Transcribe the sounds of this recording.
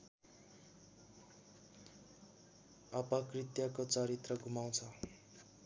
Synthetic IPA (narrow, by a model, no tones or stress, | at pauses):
ʌpʌkrit̪jakot͡sʌɾit̪rʌɡʱumaw̃t͡sʰʌ